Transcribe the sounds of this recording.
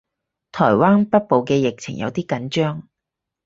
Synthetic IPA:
t̪ʰɔː˨˩jwaː˥npɐ˥t̚po˨wkɛː˧jɪ˨k̚t͡sʰɪ̰˨˩ŋjʔɐ̰˨˧wt̪iː˥kɐ˨˥nt͡ʃœː˥ŋ

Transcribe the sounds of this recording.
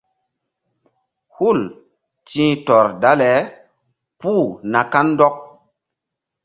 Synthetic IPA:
hu˦˨l | tĩː˦tɔ˨ɾda˦lɛ˨˦ | puː˦˨na˨ka˦n˦dɔ˦k̚

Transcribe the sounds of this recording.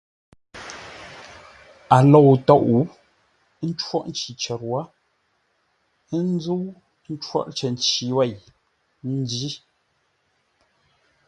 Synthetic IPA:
a˨lɔ˨wtɔ˦˨ʔu˨˦ | n̩˦t͡ʃwɔ˦ʔn̩˦t͡ʃi˨t͡ʃɛ˨ɾwa˦ | n˦zu˦ | n̩˦t͡ʃwɔ̰˦ʔt͡ʃə˨n˨t͡ʃi˨wɛ˦˨j | n̩˦di˦

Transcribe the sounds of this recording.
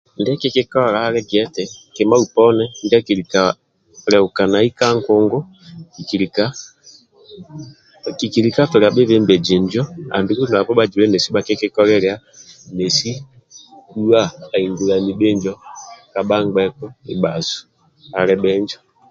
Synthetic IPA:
ndɛ˦ke˦ke˦kɔ˦˨ɾa˨˦ɾɛ˦ɡɛ˦tɛ˨kɛ˨ma˦u˨pɔ˦nɛ˦ndɛ˦ki˨ɾi˨ka˨ | ɾɛ˨u˨ka˨na˨i˦ka˦ŋkɔ˦ŋɡɔ˦ | ki˨ki˨li˨ka˦ | ki˨ki˨ɾi˨ka˦tɔ˨ɾɛ˨a˨bɛ˦βɛ˦mbɛ˨d͡ʒi˨nd͡ʒɔ˦a̰˨mbi˨˦ku˦n˨a˨pɔ˦ɓa˦d͡ʒu˨ɛ˦nɛ˨si˦ba˨ke˦ke˦kɔ˦ɾɛ˦ɾɛ˨˦a˦ | nɛ˨si˦ | ku˦wa˦˨a˨i˨ŋɡu˨la˨ni˨ɓe˦nd͡ʒɔ˦ka˨ɓa˦ŋɡ͡bɛ˦kɔ˦i˨ba˨zu̥˨ | a˨ɾɛ˦ɓɛ˦ɲd͡ʒɔ˦

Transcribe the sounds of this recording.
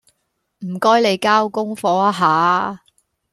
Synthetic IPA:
m̩˨˩kɔː˥jle˨˧jkaː˥wkʊ˥ŋfɔː˨˧a˥ɦaː˨˦

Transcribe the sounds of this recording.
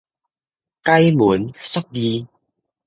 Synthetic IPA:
ka˧jmu˨˦nsɔ˦˥k̚di˧

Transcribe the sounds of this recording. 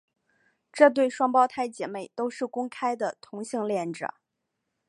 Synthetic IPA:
ʈ͡ʂɤ˥˧t̪we˥˩ɪʂwɑ˥ŋpɑ˥ʊt̪ʰa˥˧ɪt͡ɕjɛ˨˩me˥˩ɪt̪o˥ʊʂɻ̩˥˩kʊ˥ŋkʰa˥ɪd̪ə˨t̪ʰʊ˧˥ŋɕi˥˧ŋljɛ˥˩nʈ͡ʂɻɤ̰˨˩˦

